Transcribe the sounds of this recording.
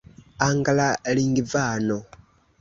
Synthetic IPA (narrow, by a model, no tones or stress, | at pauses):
aŋɡalaliːŋɡivaːno